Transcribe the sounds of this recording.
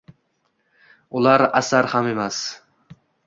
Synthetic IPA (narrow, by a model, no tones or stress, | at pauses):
ʊlˠaɾasaɾhame̞mas